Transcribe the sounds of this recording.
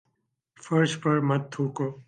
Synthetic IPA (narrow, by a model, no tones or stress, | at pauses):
fəɾspəɾmət̪̚ʰːuːko